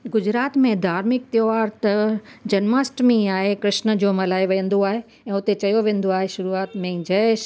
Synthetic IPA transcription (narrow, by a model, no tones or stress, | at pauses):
ɡʊd͡ʑɾaːt̪mẽd̪ʱaːɾmɪk̚t̪joʋaːɾt̪ɐd͡ʑɐnmaːsʈmẽaːɦekɾɪʃnə̆d͡ʑoːmɐlaːiʋɐjə̃n̆d̪oaːɦe | ɛ̃ːʊt̪et͡ɕɐjoʋẽːn̆d̪oaːɦeʃʊɾuaːt̪mẽd͡ʑɐːʃ